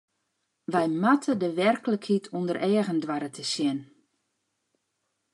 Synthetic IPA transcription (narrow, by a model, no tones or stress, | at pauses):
ʋɛjmatʰədəʋɛrkləkhitʰundərʔɛːɣəndʋaɾətʰəsjɪn